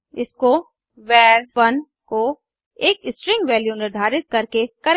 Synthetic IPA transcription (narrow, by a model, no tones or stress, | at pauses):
ɪsko | ʋɛːɾɐn | ko | eːkɪsʈɾɪ̃ŋɡʋɛːljunɪɾd̪ʱaːɾɪt̪̚kɐɾkekɐɾ